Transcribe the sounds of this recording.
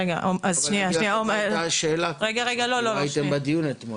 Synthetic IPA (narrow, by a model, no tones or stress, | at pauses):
eɡaʔomʔazʃnianiaomeaʃeːlaʁeɡaʁeɡalololit̪embad̪ijunet̪mo